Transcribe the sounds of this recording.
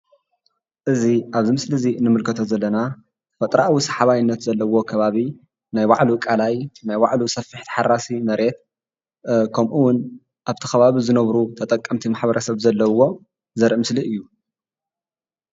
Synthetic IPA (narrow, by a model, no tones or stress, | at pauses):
ʔɨziʔaβzimɨslɨzinɨmɨlkʰɐt̪ʰozɐlːɐna | fɐt̪ʼɾaʔwisɐ̥ħaβajɪnːɐt̪zɐlːɐwo̞kʰɐβaβi | najwaʕlukʼalajnajwaʕlusɐfːɨħt̪ʰi̥ħarasimɐɾe̞t̪̚ | kʰɐmʔuwʊn | ʔaβt̪ʰi̥xɐβaβizɨnɐβɾut̪ʰɐt̪ʼɐkʼːɐmt̪ʰimaħbɐɾʔɐsɐβzɐlːɐwo̞ | zɐɾʔɨmɨsliʔɨjːu